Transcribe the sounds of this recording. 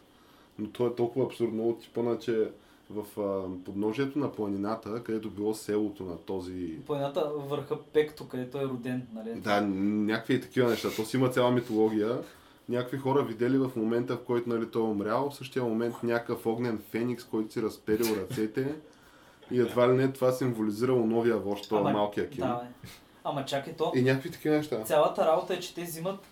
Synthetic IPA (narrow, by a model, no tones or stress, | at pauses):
not̪ʰɔɛt̪ɔlˠkʊvəːpsuɾd̪noot̪ʲːi̥pənət͡ʃɛ | vɐfəpod̪nɔʒiɛt̪onɐplˠɐninat̪əkɐd̪ɛt̪obilˠɔsɛlˠot̪onɐt̪ɔziplˠɐnʲinat̪əvəɾxəpɛkt̪okɐd̪ɛt̪oɛɾʊd̪ɛnnɐlid̪anʲakkvit̪ɐ̥kivənɛʃt̪at̪ɔsimɐt̪sʲalˠəmit̪olˠɔɡ̟ʲijə | nʲakəkvixɔɾəvid̪ɛlivəfmomɛnt̪əfkɔjt̪ʊnɐlit̪ɔɛomɾʲjalˠofsɤʃt̪iəmomɛnt̪nʲakkəfɔɡnɛnfɛnikskɔjt̪ʊ̥siɾɐspɛɾilˠɾɐt̪sɛt̪ɛ | iɛd̪valinɛt̪ovasiɱvoliziɾəlˠonɔviəvɔʃt̪t̪ɔmalˠkijəkid̪n | ɐmɐt͡ʃakɛt̪oinʲakvit̪ɐ̥kivənɛʃt̪asʲalˠət̪əɾabot̪əɛt͡ʃɛ̥t̪ɛzimət̪